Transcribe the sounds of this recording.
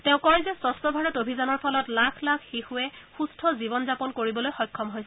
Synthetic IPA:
tɛ̃ʊ̃kɔɹzɛsɔstɔbʱaɹɔtobʱizanɔɹpʰɔlɔtlakʰlakʰxixuɛxustʰɔzibɔnzapɔnkoɹibɔlojxɔjkʰːɔmɦojsɛ

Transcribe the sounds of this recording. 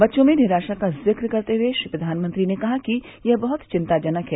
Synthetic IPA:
bɐtːʃõmẽnɪɾaːʃakazɪkɾkɐɾt̪eɦweʃipɾɐd̪ʱaːnmɐ̃nt̪ɾinekɐɦaki | jɐɦbɐɦʊt̪t͡ʃɪ̃nt̪ad͡ʒɐnəkɦɛː

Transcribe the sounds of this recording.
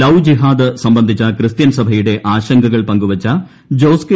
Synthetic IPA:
ɐwd͡ʑiɦaːd̪ɨsɐmbɐnd̪ʱit͡ɕːɐkɾɨst̪jɐnsɐbʱɐjuɽe̞ʔaːɕɐŋɡɐɣɐɭpɐŋɡuʋɐt͡ɕɐ | d͡ʑoːske

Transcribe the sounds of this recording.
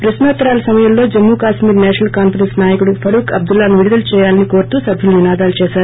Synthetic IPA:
pɾɐsnaːt̪ɾaːlɐsɐmɐjɐmlo̞ːd͡ʒɐmːuːkaːʃmiːɾnɛːʃɐnɐlkaːmpɐɾensnaːjɐkuɽupʰɐɽuːkɐb̚d̪ulːaːnuʋiɽid̪ɐlt͡ʃɛːjaːlɐniko̞ːɾt̪uːsɐbʱjuluninaːd̪aːlut͡ʃɛːʃaːɾu

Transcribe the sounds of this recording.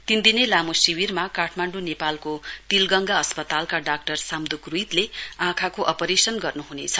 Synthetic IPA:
t̪ind̪inelamosiwirmakaʈʰmaɳɖunepalkot̪ilɡʌŋɡaʌspʌt̪alkaɖak̚ʈʌrsamd̪ukruit̪leãkʰakoʔʌpʌɾesʌnɡʌrnuɦunet͡sʰʌ

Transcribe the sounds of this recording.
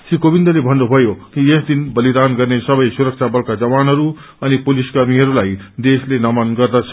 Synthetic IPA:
sikobind̪ʌlebʱʌnːubʱʌjokiesd̪inbʌlid̪anɡʌrnesʌbʌjsuɾʌk̚t͡sʰabʌlkad͡zʌβanɦʌɾu | ʌnipoliskʌrmiɦʌɾulajd̪eslenʌmanɡʌrd̪at͡sʰ

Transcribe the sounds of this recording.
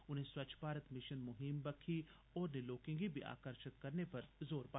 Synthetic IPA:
ʊnɦẽswɐt͡ʃʰbʱaːɾət̪mɪʃənmʊɦɪmbɐkʰi | ɔːɾneloːkɪ̃ŋɡibʱiʔa̰ːkəɾʃɪt̪kɐɾnepɐɾzoːɾba

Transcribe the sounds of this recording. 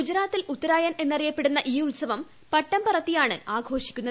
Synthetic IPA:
ud͡ʑɾaːt̪ːilut̪ːɐɾaːjɐne̞nːɐrijɐpːe̞ɽunːɐʔiːuɭsɐʋɐm | pɐʈːɐmpɐrɐt̪ːijaːɳɨaːɡʱo̞ːʂikʲːunːɐ

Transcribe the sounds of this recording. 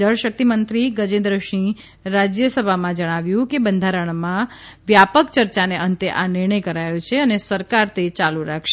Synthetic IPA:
əɽʃək̚t̪imənt̪ɾiɡəd͡ʒẽnd̪ɾəʃĩ | ɾad͡ʒjəsəbʱamãd͡ʒəɽ̃aʋjũkebənd̪ʱaɾəɳ̃mã | ʋjapəkt͡ʃəɾt͡ʃaneənt̪eʔanɪɾɳ̃əjkəɾajõt͡ʃʰeənesəɾkaɾt̪ʰet͡ʃaluɾakʰʃe

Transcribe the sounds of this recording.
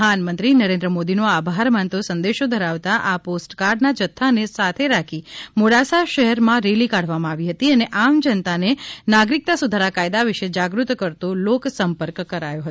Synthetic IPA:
anmə̃nt̪ɾinəɾend̪ɾəmod̪inoabʱaɾmãnt̪osə̃nd̪eʃod̪ʱəɾaʋt̪aʔaposʈkaɾɖnad͡ʒət̪ʰːanesat̪ʰeɾakʰimoɽasaʃəɦɛɾmãɾelikaɽ̤ʋamãaːʋiɦət̪iəneʔamd͡ʒənt̪anenaɡɾik̚t̪asud̪ʱaɾakajd̪aʋɪʃed͡ʒaɡɾut̪kəɾt̪oloksəmpəɾkkːəɾajoɦət̪o

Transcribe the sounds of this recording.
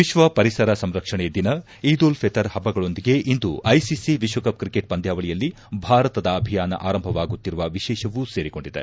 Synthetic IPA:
ʋiʃʋɐpɐɾisɐɾɐsɐmɾɐkʂɐɳed̪inɐ | iːd̪oːlpʰet̪ɐɾhɐbːɐɡɐɭo̞nd̪iɡe̞ʔind̪uʔɐjsisiʋiʃʋɐkɐp̚kɾikeʈ̚pɐnd̪ʱjaːʋɐɭijɐlːi | bʱaːɾɐt̪ɐd̪ɐːbʱijaːnɐ̰ʔaːɾɐmbʱɐʋaːɡut̪ːiɾuʋɐʋiʃɛːʃɐʋuseːɾiɡo̞ɳɖid̪ḛ

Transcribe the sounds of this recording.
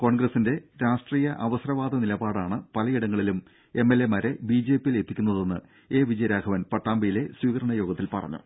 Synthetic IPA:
ko̞ːɳɡrɐsːinde̞ɾaːʂʈriːjɐʔɐʋɐsrɐʋaːd̪ɐnilɐbaːɽaːɳɨpɐlɐjiɽɐŋːɐɭilum | e̞mːelːe̞mɐɾe̞biːd͡ʑe̞ːpːijile̞t̪ːikʲːunːɐðe̞nːɨ̰ | e̞ːʋid͡ʑɐjɾaːɡʰʱɐʋɐnpɐʈːaːmbɐjile̞swiːkɐɾɐɳɐjo̞ːɡɐt̪ːilpɐ̰rɐ̰ɲːṵ

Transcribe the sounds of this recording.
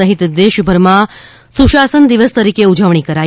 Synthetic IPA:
əɦit̪d̪eʃbʱəɾmã | suʃasənd̪iʋəst̪əɾikeud͡ʒəʋɳ̃ikəɾa

